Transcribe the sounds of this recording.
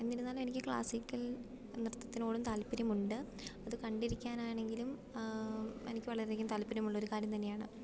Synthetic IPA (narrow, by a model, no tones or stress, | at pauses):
e̞nːiɾunːaːlme̞nikʲːɨkɭa̰ːsikʲːɐl | nirɐt̪ːɐt̪ːino̞ːɽumt̪aːlpːiɾɐmuɳɖɨ | ɐðɨkɐɳɖiɾikʲːaːnaːjɳe̞ŋɡilum | ḛnikʲːɨʋɐɭɐɾðekʲːumt̪aːlpːɐɾjɐmuɭːɐoɾukaːɾjɐmt̪ɐnːejaːɳɨ̰